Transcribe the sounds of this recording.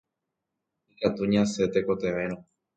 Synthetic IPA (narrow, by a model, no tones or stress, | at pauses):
ikat̪uɲãset̪eko̞t̪eʋẽ̞ɾ̃õ